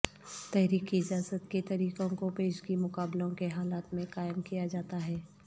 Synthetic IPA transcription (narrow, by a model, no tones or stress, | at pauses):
t̪ɛɦɾiːkiɪd͡ʒaːzət̪ket̪ɐɾiːkõkopeːʃkimʊkaːblõkeɦaːlaːt̪mẽqaːɪmkijad͡ʒaːt̪aɦɛː